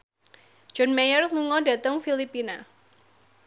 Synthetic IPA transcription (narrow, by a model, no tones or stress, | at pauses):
d͡ʒ̥ɔnmajərluŋɔda̤t̪əŋfilipina